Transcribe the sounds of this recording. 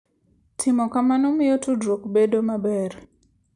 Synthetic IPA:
tʰɪmɔkamanɔmɪjotudɾokbedomabɛɾ

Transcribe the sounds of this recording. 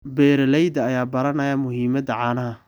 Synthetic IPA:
bɛːɾɐlɛjðɐːjaːbɐɾɐnɐjɐmʊhiːmɐd̪ɐʕɑːnɐɦɐ

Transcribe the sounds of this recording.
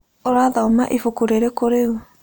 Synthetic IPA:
oɾaðaoma̰ʔifukuɾeɾekoɾeo

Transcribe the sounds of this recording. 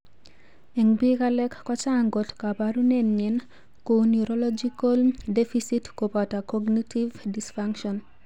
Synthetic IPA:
eŋbikalɛkːɔt͡ʃaŋɡotkapaɾunɛnɲɛn | konjuɾolɔd͡ʒikoldefisitkopatakɔɡnitivdisfaŋkʃɔn

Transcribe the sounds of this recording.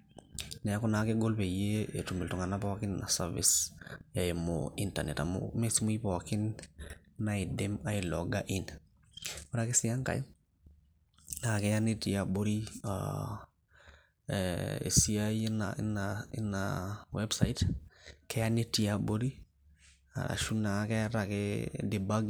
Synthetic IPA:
nɛakɔnakeɡolpejeetumiltuŋanapɔkɪnna̰saɾvḭsjaemo̰intanɛta̰mo̰mesimuipɔkɪn | naidemaɪlɔ̰ɡaʔin | waɾakesɪjaŋka̰j | nakɛjanitijaboɾia̰ | ḛsiaina̰naɪ̰nawɛbsaitkɛjanitijaboɾi | a̰ɾa̰ʃunakɛɾakɛdebaɡ

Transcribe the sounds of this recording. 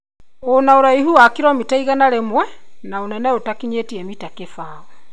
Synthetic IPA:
onaoɾaiɦuakiɾɔmitaiɣanaɾemwɛnaonɛnɛotakiɲetiɛmitakefaːɔ

